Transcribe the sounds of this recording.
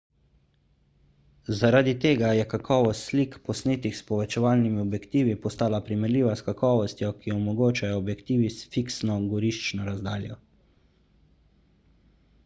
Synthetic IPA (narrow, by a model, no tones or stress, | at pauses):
zaɾad̪it̪eːɡajɛkakɔːʋɔst̪slikpɔsneːt̪ixspɔʋɛt͡ʃɛʋaːlnimiɔbjɛkt̪iːʋipɔst̪aːlapɾimɛɾliːʋaskakɔːʋɔst̪jɔkiɔmɔɡoːt͡ʃajɔːbjɛkt̪iːʋisfiksnɔɡɔɾiʃt͡ʃnɔɾazd̪aːljɔ